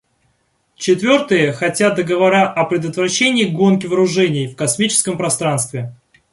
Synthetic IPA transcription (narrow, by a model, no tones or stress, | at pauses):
t͡ɕɪt̪vʲo̞rt̪ɨjəxɐtʲat̪̚d̪əɡəvɐɾaʔɐpɾʲɪd̪ət̪vɾɐɕːenʲɪːɡo̞nk̬ʲɪvəɾʊʐɛnʲɪjfkɐsmʲit͡ɕɪ̥skəmpɾɐst̪ɾanst̪vʲɪ